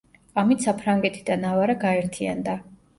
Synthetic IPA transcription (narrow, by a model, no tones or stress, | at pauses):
amit̪sapʰɾaŋɡɛt̪ʰid̪anavaɾaɡaɛɾt̪ʰia̰nd̪a